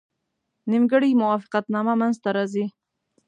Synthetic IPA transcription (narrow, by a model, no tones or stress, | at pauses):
nimɡəɽimʊwɑfɪ̥qat̪nɑmamanzt̪aɾɑzi